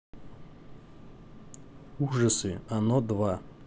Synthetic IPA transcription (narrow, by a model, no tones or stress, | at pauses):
uʐɐsɨanɔd̪va